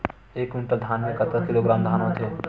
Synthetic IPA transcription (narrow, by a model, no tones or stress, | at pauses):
eːkuɳʈəd̪ʱaːnmẽkət̪kəkɪloːɡɾaːmd̪ʱaːnõt̪ʰijoː